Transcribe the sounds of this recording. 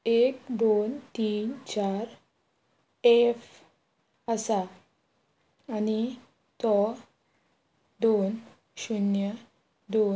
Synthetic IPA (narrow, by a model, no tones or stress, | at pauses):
ek̚d̪ont̪iːnt͡ɕaɾ | ef | əsa | ani | t̪ɔ | d̪on | ɕunjə | d̪o